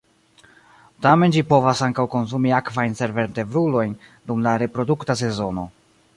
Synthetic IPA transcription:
tame̞nd͡ʒipo̞vasaŋkawko̞ns̬umiakvajnse̞ɾve̞ɾte̞vɾulo̞jndumlaɾe̞pɾo̞duktas̬e̞zo̞no̞

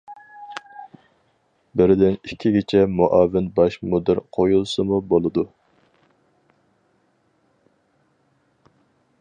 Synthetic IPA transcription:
bɪɾɪd̪ɪnikʲʰːiɡʲet͡ʃʰɛmuʔɑːvɪnbɑʃmod̪ɪɾqʰojulˠsɨmubolˠɨd̪u

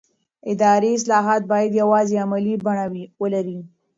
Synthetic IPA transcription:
ɪd̪ɑɾeɪs̬lɑɦɑt̪̚bɑjad̪jawɑzeamalibaɳawiwəlaɾi

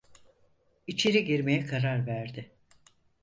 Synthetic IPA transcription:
it͡ʃʰe̞ɾiɟiɾme̞jɛkʰaɾaɾvæɾd̪ɪ

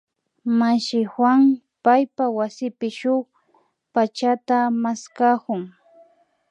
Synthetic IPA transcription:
maʃɪxwaŋ | pajpawasɪpɪʃʊχ | pat͡ʃat̪amaskakʊŋ

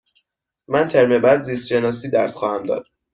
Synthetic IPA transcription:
mænt̪ʰeɾmebæd̪zist̪ʃenɒːs̬iːd̪æɾsxɒːhæmd̪ɒ̰ːd̪̥

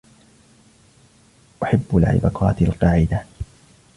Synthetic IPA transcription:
ʔaħabːalʕɪ̰bɑ̰qʰɑ̰ːt̪alqɑːʕɪd̪a

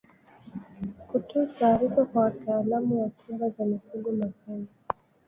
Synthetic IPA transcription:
kutɔːtaːɾifakwawataːlamuwatʰibazamikuɡɔmakan

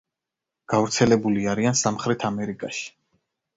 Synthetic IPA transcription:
ɡ̥avɾt̪sʰɛlɛbuliaɾiansamχɾɛt̪ʰamɛɾikʼaʃi̥

